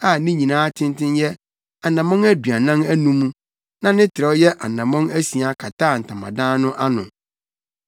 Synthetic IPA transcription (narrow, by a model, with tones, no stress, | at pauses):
a˦˨nĩ˦ɲĩ˨nãː˦tʰɪ̃˦n˦tɪ̃˦njɛ˦ | a˨nã˨mɔ̃˦ŋæ˦dɥa˨nã˦næ˦nũ˦mũ˦ | nã˦nɪ̃˦tʰɪ˨ɾɛ˦wjɛ˦ʔa˨nã˨mɔ̃˦ŋæ˦si˨a˨kʰa˨tʰaː˦˨n̩˨tʰã˨mã̰˨dãː˦nʊ̃˦ʔa˦nʊ̰̃˨